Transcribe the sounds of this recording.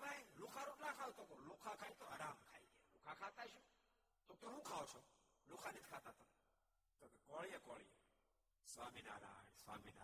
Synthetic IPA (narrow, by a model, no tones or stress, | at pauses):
bailukʰaːɾuʈnãːkʰaːut̪oːkoːlukʰakʰaːit̪oaɾaːmkʰaːiːɡelukʰakʰaːt̪aːiʃũː | t̪ot̪oɦũːkʰaːot͡ʃʰoːlukʰanit̪̚ʰkʰaːt̪aːt̪on | t̪oːkekoːɭijakoːɭije | swaːmiːna̰ːɾa̰ːnsʋa̰ːmina̰